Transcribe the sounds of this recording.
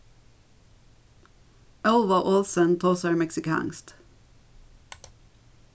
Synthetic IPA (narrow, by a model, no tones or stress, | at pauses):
ʔœlʋɑʔoːlsənt̪ʰoːsəɹmɛksɪkʰɑ̰ːnst̪